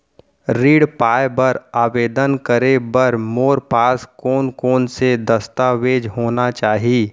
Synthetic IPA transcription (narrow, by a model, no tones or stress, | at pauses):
ɾiːɽpaːjbəɾaːʋeːd̪ənkəɾebɐɾmoːɾpaːskoːnkoːnsed̪əst̪aːʋeːd͡ʒɦoːnat͡ʃaːɦieː